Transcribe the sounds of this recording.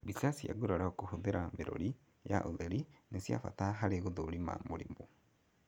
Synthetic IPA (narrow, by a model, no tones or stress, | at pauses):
βisasija̰ɡuɾaɾaokohoðeɾameɾo̰ɾi | ja̰ʔoðeɾinesja̰fa̰taɦaɾeɣuðoɾima̰moɾḭmbo